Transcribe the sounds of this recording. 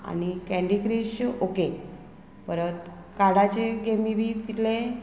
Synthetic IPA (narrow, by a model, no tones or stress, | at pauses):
a̰nikɛ̃ɳɖikɾiɕoke | pəɾət̪ | kaɽat͡ɕeɡemibiːt̪it̪lẽ